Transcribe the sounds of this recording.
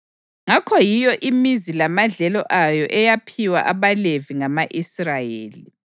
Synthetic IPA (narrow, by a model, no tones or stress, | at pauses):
ŋakʰɔjijɔʔimizilamaɮɛlɔʔajɔʔɛjapʰiwa̰ʔaβaleviŋamaʔisrajḛːli